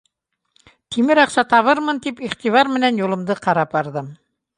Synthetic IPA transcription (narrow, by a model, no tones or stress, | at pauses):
t̪ʰimɘɾɑqsɑt̪ɑβɤɾmɤnt̪ipiχt̪ivɑɾmɘ̆nænjulˠɤ̆md̪ɤqɑɾɑp̚bɑɾðɤm